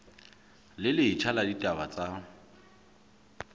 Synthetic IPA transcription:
lɪlɪɦit͡ʃʰaladitʼabat͡sʼa

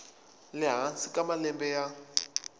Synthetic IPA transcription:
lɪɦansikʼamalɛmbɛja

